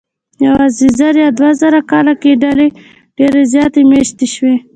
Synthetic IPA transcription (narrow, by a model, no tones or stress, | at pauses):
jawɑzizaɾjɑd̪wazaɾakɑlakeɖale | ɖ̥eɾezjɑt̪emeʃt̪eʃwe